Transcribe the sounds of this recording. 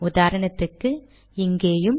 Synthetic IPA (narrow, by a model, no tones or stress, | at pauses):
ʊðaːɾɐɳɐt̪ːɯkːɯ | ɪŋɡeːjɯm